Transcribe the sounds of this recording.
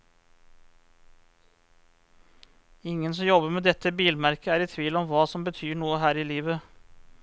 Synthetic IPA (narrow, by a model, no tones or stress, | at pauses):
ɪŋənsɔmjɔbəɾmeːd̪ɛt̪ːəbiːlmæɾkəæːɾiːt̪ʰʋiːlɔmʋɑːsɔmbət̪ʰyːɳuːəɦæːɾiːliːʋə